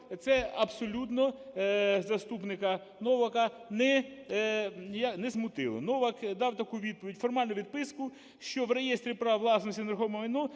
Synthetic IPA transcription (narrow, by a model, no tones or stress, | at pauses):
t̪sɛɐbsɔlʲut̪nɔ | zɐst̪upnɪkɐ | nɔʋɐkɐnɛ | jɐknɛzmʊt̪ɪ̰lˠɔ̰nɔʋɐkd̪ɑwt̪ɐkuʋʲid̪̚pɔʋʲidʲfɔrmɑlʲnʊʋʲid̪̚pɪskʊ | ʃt͡ʃɔwrejest̪ɾʲipɾɑʋlˠɑsnɔsʲinɐɾxɔʋmɔʋɐjnɔ